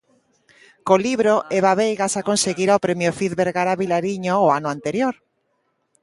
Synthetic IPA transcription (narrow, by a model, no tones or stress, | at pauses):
koliβɾoʔeβaβejɣasakonseɣiɾaopɾemjofiðβeɾɣaɾaβilaɾiɲoːanʊant̪eɾjoɾ